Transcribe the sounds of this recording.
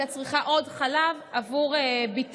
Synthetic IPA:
at͡sʁiχaʔo̞dχalavavuʁebit

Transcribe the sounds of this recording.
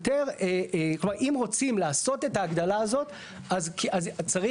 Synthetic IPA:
t̪eʁeklomaʁʔimʁo̞t͡simlaːso̞t̪e̞t̪aːɡd̪alaːzo̞t̪ | azkazt͡saʁi

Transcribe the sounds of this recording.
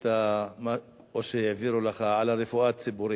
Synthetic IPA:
t̪ama | oʃejaviɾulaχaʕalaɾefuat͡sibuɾi

